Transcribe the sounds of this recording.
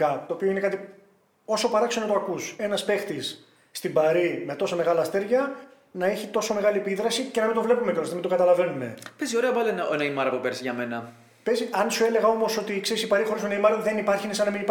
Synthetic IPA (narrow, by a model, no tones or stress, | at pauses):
ɐt̪o̞ːpioine̞kɐt̪i | o̞so̞pɐɾɐksenot̪oɐkuse̞nɐspe̞xt̪isː | t̪ibɐɾimet̪o̞some̞ɣɐlɐst̪e̞ɾʝɐ | nɐe̞çit̪o̞some̞ɣɐliepiðɾɐsice̞nɐmind̪o̞vle̞pumecolosemind̪o̞ɡɐt̪ɐlɐve̞nume̞̰pezio̞ɾeɐpɐlonɐenɐimɐɾɐpupeɾsʝɐme̞nɐ | pe̞ziɐnsue̞le̞ɣɐo̞mo̞so̞t̪ikse̞ɾisipɐɾixo̞ɾismunɐimɐɾuðe̞nipɐɾçinesɐnɐminip